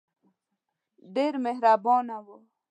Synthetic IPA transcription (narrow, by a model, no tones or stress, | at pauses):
ɖ̪eːɾmeɦɾaːboːnawo